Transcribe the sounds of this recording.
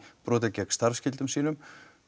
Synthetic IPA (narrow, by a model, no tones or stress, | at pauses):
pɾɔːt̪̬ɪcɛkst̪aɾfscɪlt̪ʏmsiːnʏm